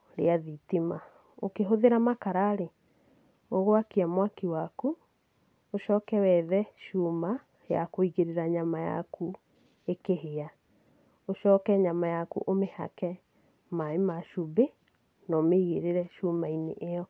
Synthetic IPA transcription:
ɾḛaðitima | okeɦoðeɾamakaɾaɾe | oɣoakiamwakiwaku | oʃɔːkɛwɛðɛʃuma | jakoiɣeɾeɾaɲamaja̰ku | ekeɦea | oʃɔːkɛɲamajakṵʔomeha̰kɛ | maemaʃube | nɔmeiɣeɾeɾɛʃumainḛʔeɔ

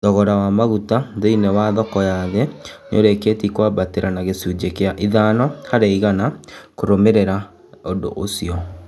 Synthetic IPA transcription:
ðɔɣɔɾawamaɣutaðoinɛwaðɔkɔjaðɛ | no̰ɾeketikwabateɾanaɣesud͡ʑekeaʔiðanɔhaɾeiɣanakoɾomeɾeɾa | ondo̰ʔosiɔ

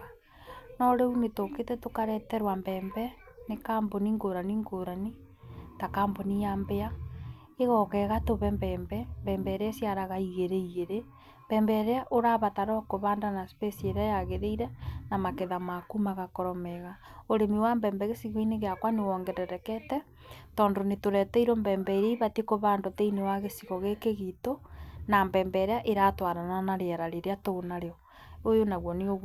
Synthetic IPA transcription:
nɔɾeunetoketɛtokaɾɛtɛɾwambɛːmbɛ | nekaːmboniŋɡoɾaniŋɡoɾani | takaːmbonijambea | eɣɔkɛɣatoβɛmbɛːmbɛmbɛːmbɛɾeasjaɾaɣaiɣeɾeiɣeɾe | mb̥ɛːmbɛɾeaʔoɾaβataɾɔkoβaːndanaspesieɾajaɣeɾeiɾɛnamakeðamakumaɣakoɾɔmeɣaoɾemiwambɛːmbɛɣesiɣɔineɣeakwanewɔŋɡɛdɛɾɛkɛtɛ | tɔːndonetoɾɛtɛiɾombɛːmbɛiɾeiβatekoβandoteinewaɣesiɣɔɣekeɣitonambɛːmbɛɾeaʔeɾatwaɾananaɾeɛɾaɾeɾeatonaɾeɔ | ojonaɣwɔneoɣ

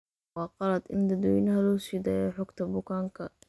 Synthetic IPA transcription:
wɑːqɑlɐd̪ɪnd̪ɐd̪ɔːjɪnɐɦɐlɔːsiːd̪aːjɛħɔɡt̪ʰɐbʊkʰaːŋkʰɐ

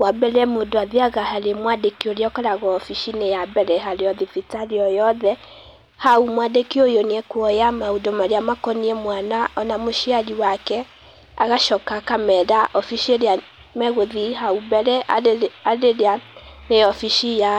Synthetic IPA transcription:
wabɛɾɛmondoaðeaɣahaɾemwadekioɾeɔkaɾaɣɔːfiʃinejabɛɾɛɦaɾeɔðifitaɾeɔjɔðɛ | haumwadekiojoneɛkwɔjamaudɔmaɾeamakɔniɛmwanaʔɔnamoʃiad͡ʒiwakɛ | aɣaʃɔkakamɛðaʔɔfiʃieɾea | mɛɣoðihaubɛɾɛaaɾeaneɔfiʃija

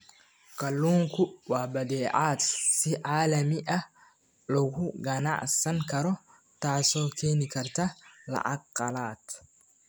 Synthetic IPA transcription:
kɐlːuːŋkʊwaːbɐd̪eːʔaːt̪sɪʔaːlɐmɪʔɐ | lɔkʊɡɐna̰ːʔsɐŋkɐɾɔ | t̪aːsokeːnɪkɐɾt̪ɐlɐ̰ʔakːʼɐlaːt̪

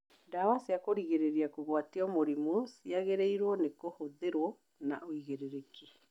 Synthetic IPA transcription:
dawasiakoɾiɣeɾeɾiakoɣwatiɔmoɾimusiaɣeɾeiɾwɔnekohoðeɾwɔ | na̰oiɣeɾeɾeki

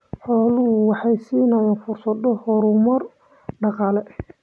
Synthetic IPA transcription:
ħɔːlʊɦʊwɑħɑjsiːnɐjaːnfʊrsɐd̪ɔhɔɾʊmɔr | ɖɑqɑːlɛ

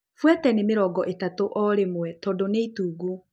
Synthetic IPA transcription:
fwɛtɛnemeɾɔːɡɔʔetatoʔɔɾemwɛtɔːdoneituːɡu

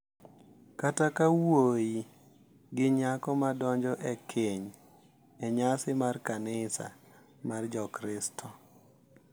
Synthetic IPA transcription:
katakawoji | ɡɪɲakɔmadɔɲd͡ʒɔʔɛkʰeɲ | ɛɲasɪmarkanɪsa̰ | mard͡ʒɔkɾɪstʰɔ

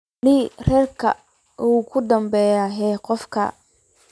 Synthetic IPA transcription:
lɪrɛːrkʰɐ̰ | ʔuːkʰʊd̪ɐmbɛjaɦɛːqɔfkʰɐ̰

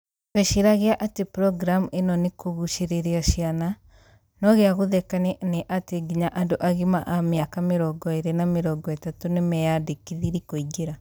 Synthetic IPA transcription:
ɣeʃiɾaɣeaʔatepɾɔɡɾamenɔnekoɣuʃeɾeɾeaʃiana | nɔɣeaɣoðɛkaneneʔateɡiɲaʔandoʔaɣemaʔameakameɾɔːɡɔeɾenameɾɔːɡɔetatonemɛjadekiðiɾikoiɡeɾa

